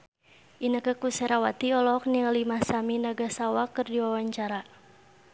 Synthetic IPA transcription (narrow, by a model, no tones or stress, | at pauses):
ʔinəkəkusɛɾawat̪iɔlɔk̚niŋəlimasaminaɡasawakərdiwawaɲt͡ʃaɾa